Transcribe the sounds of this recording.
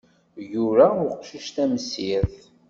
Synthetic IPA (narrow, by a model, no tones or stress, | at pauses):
juɾæʊqʃəʃt̪æmsiɾθ